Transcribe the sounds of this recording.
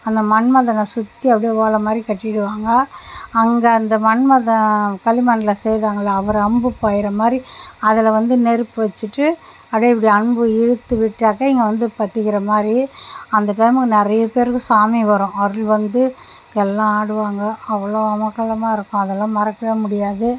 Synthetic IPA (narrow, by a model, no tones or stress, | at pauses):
ɐnd̪ɐmɐɳmɐðɐnɐ̃sʊt̪ːiɐpːɐɽijɐʋaːɭɐmaːd̪ɾikɐʈːɪɪɽɯʋaːŋɡɐːŋɡɐɐnd̪ɐmɐɳmɐðɐ̃kɐlːɪmɐnɪlɐsɛjðaːŋɡɐɭlːaːʋɐɾɐmbɯpaːjɪɾɐmaːd̪ɾiɐðɪlɐʋɐnd̪ɯnɛɾɯpːɯʋɐt͡ʃːɯʈːɯ | ɐɽɐɪp̬ːɐɽiɐɳbɯɪɻɯt̪ːɯʋɪʈːaːkɐɪŋɡɐʋɐnd̪ɯpɐt̪ːɯɣɪɾɐmaːd̪ɾiɐnd̪ɐʈɐjmɯkːɯnɪɾɐjɐpeːɾɯkːɯ̃saːmiʋɐɾʊ̃ːɐɾɯlʋɐnd̪ɯ | ɛlːãːaːɽɯʋaːŋɡɐɐʋːɐɭoːɐmɐkːɐlɐmaːɪɾɯkːʊ̃ɐðɛlːãːmɐɾɐkːɐʋeːmʊɽɪjaːðɯ